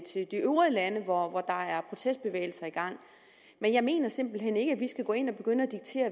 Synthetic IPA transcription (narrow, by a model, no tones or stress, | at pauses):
t͡sʰe̝ld̥iøʊʁiðˠlænəʋɒʋɒd̥ɑ̈æɐpʰʁo̝t͡sʰesd̥̚b̥e̝ʋḛːɪl̩sɐiɡ̥ɑ̈ŋ̰ | menjɑ̈ɪme̝̰ːnɐse̝m̰b̥l̩ɦen̰e̝ɡ̥æʋisɡ̥æɡ̥ɔ̰̽ːe̝n̰ɒ̽b̥e̝ɡ̥ønəæd̥iɡ̥̚t͡sʰe̝̰ːɐ